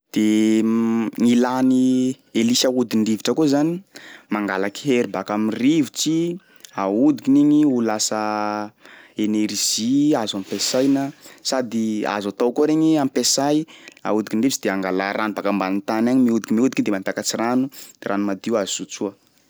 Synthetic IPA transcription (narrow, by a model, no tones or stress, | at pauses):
d̪̥e | ŋilani | elisaud̪iɳɖ͡ʐiviʈ͡ʂəkuzanimaŋɡalaki̥ɦeɾibakamirivit͡si | aud̪ikiniɲiulasə | eneɾʒ̥iazampesajnəsad̪ia̰zat̪awkoɾeɲiamipesaja̰ud̪ikinɳɖ͡ʐiviʈ͡ʂid̪eaŋɡalaɾanubakambanit̪anaɲimiud̪ikimiud̪ikid̪emant̪akat͡siranud̪̥eɾanumad̪iuazusut͡suə